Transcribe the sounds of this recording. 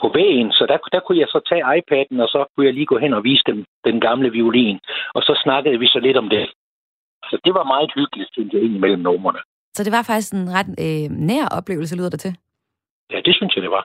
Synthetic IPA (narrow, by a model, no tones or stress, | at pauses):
pʰɒ̽ʋɛ̰ːnsɒ̽d̥æd̥ækʰujɑ̈ɪsɒ̽t͡sʰɛ̰ːɑ̈ɪpʰæd̥n̩ɒ̽sɒ̽kʰujɑ̈ɪliːɡ̥ɔ̰ːɦenɒ̽ʋiːsə̥d̥emd̥enɡ̥ɑ̈mləʋiolḭːnɒ̽sɒ̽snɑ̈ɡ̥əð̞̩ˠʋisɒ̽le̝d̥ɒ̽md̥e̝ | sɒd̥e̝ʋɑ̈mɑ̈ːð̩ˠhyɡ̥əlid̥kʰend̥əe̝nimel̰m̩nɔmɐnə | sɒ̽d̥e̝ʋɑ̈fɑ̈ɡ̥isɡ̥nʁɑd̥næɐ̰ʔɒ̽b̥le̝̰ːʊl̩s̬əlyːð̰ˠɐd̥et͡sʰe̝ | jæd̥e̝synsjɑ̈d̥e̝ʋɑ̈